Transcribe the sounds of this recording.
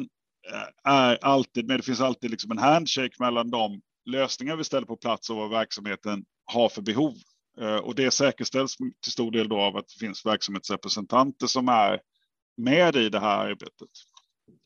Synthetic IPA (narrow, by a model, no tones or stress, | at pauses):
n | æɾalt̪iːd̪̚mɛd̪ɛfɪnsalt̪iːd̪lɪksɔmɛnɦænd̪ɕɛkmɛlːand̪ɔm | løːsnɪŋaɾvɪst̪ɛlːəɾpʰɔpʰlat̪sɔvavæɾksamheːt̪ən | haɾfœɾbɛɦuːv | ɔ̰d̪ɛsɛːkəʂt̪ɛlt̪st̪ʰɪlst̪uːɖeːld̪ɔavat̪̚d̪̥ɛ̥fɪnsvæɾksamheːt̪sɾɛpɾɛsɛnt̪ʰant̪əʂɔmæɾ | mɛːd̪ɪd̪ɛɦæ̰ːɾa̰ɾbḛːt̪ət̪